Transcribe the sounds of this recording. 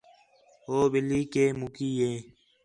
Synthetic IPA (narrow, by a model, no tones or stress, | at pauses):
oːbɪliːkeːmukiːjeː